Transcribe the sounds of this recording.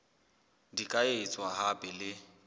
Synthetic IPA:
dikʼaet͡sʼwaɦapʼɛlɪ

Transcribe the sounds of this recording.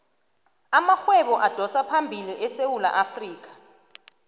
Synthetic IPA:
amaxwɛɓɔʔad̥ʱɔsapʰambʱiliʔɛsewula̰ʔafriːk̬ḁ

